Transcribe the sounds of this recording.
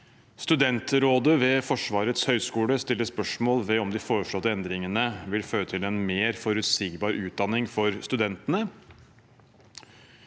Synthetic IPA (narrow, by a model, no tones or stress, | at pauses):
st̪ʉd̪ɛnt̪ɾoːd̪əʋɛfɔʂʋɑːɾət̪shœʏskuːləst̪ɪlːəspœʂmoːlʋɛɔmd̪ɪfoːɾəʂɭoːt̪ːəɛnd̪ɾɪŋənəʋɪlføːɾət̪ʰɪlɛnmeːɾfɔɾʉt̪siːɡbɑːɾʉːt̪̚d̪ɑnːɪŋfɔɾst̪ʉd̪ɛnt̪ənə